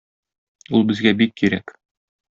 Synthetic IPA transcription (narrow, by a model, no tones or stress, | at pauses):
ulˠbɘ̆zɡæbikːiɾæk